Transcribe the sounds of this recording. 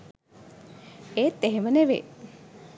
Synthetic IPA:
eːt̪ːeɦeməneʋḛː

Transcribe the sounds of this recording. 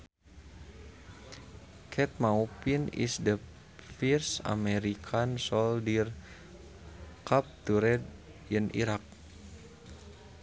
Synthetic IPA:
kʰɛt̪̚mawpinḭsdə | firsa̰mɛɾikʰansɔldir | kap̚t̪uɾɛd | inʔḭɾak̚

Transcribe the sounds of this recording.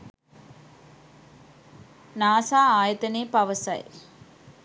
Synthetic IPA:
naːsaːaːjət̪ɐneːpɐʋəsɐ̰j

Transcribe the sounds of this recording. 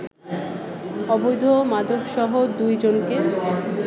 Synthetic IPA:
ɔbojd̪ʱomad̪ʱoɡʃɔɦod̪ujd͡ʑonke

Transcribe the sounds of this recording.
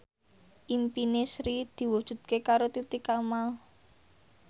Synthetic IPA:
ʔimpinesɾid̪̥i̤wud̥ʒ̥ṳd̪̥̚kekaɾot̪it̪ikamal

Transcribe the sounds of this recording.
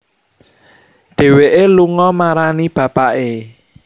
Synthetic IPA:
d̪̥e̤weʔeluŋɔmaɾanib̥a̤paʔe

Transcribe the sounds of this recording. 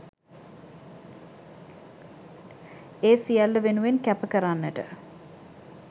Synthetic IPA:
eːsijælːəʋenuʋenkæpəkəɾanːəʈə̰

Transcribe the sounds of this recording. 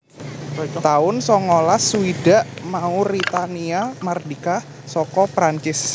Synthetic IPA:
t̪aʊnsɔŋolasuida̤ʔmauɾit̪aniamardika | sɔkɔpɾaɲt͡ʃɪs

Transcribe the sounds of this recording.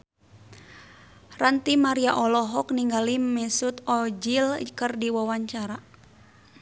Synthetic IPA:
rant̪imaɾiaʔɔlɔɦɔkniŋɡalimɛsut̪ɔd͡ʒilkɨrdiwawaɲt͡ʃaɾa

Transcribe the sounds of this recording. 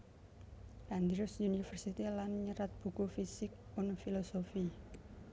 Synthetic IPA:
ʔand̪ɾʊsjunifərsit̪ilanɲəɾat̪̚b̥ṳkufisɪk̚pʊnfilosofi

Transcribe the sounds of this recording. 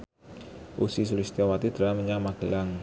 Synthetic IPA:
ʔusis̬ulist̪iawat̪id̪ɾaməɲamaɡ̥əlaŋ

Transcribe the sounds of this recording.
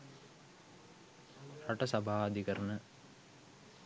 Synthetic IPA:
ɾɐʈɐsɐbʱaːɐd̪ʱikɐɾnə

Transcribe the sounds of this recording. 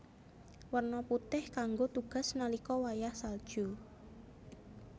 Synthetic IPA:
wərnɔput̪ɪhkaŋɡot̪uɡ̥a̤snalikɔwajahsald̥ʒ̥u

